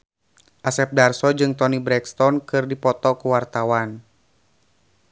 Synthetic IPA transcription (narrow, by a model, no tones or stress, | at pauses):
ʔasɛp̚darsɔd͡ʒɨŋt̪ɔnibɾɛkst̪ɔnkɨrdipɔt̪ɔkuwart̪awan